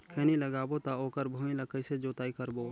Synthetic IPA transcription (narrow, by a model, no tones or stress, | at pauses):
kʰeːniləɡaːbot̪aoːkəɾbʱoĩləkəised͡ʒoːt̪aːikəɾboː